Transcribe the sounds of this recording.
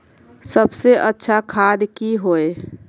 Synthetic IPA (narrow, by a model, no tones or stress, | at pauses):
səbseʔətːʃʰakʰaːd̪kiɦoe